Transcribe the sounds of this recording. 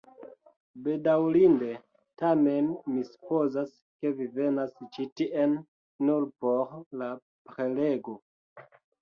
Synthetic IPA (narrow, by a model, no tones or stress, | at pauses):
be̞dawlinde̞ | tame̞nmisu̥po̞zas | ke̞vivenast͡ʃitiʔenː | uɾpoɾla | pɾele̞ɡo̞